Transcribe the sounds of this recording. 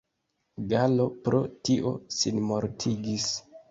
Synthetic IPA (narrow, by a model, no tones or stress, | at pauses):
ɡalo̞pɾo̞̰tiʔo̞̰sinmo̞ɾtʰiɡis